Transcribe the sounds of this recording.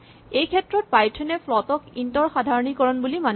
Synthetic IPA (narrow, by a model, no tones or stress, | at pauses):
ejkʰɛtɹɔt̚pajtʰenɛpʰlɔtɔkintɔɹxadʱaɹɔnikɔɹɔnbuliman